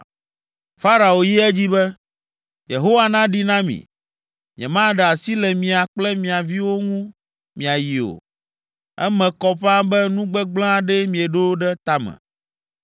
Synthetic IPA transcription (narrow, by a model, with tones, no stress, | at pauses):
fa˦ɾa˨o˨ji˦ɛ˦d͡ʑi˦bɛ˦ | je˨ɦo˦wa˨nã˦ɖi˦nã˦mḭ̃˨ | mḭ̃˨ɛ̰̃˨mã˦ɖɛ˨a˨si˦lɛ˨mĩ˨a˨k͡plɛ˦mĩ˨a˨vi˦wo˦ŋũ˦ | mĩ˨a˨ji˨o̰˨ | ɛ̰˦mɛ̃˨kɔ˦ɸa˦bɛ˦nũ˦ɡ͡bɛ˦ɡ͡blã˦a˨ɖɛ˦mĩ˨ɛ˨ɖo˦ɖɛ˦t̪a˦mɛ̰̃˨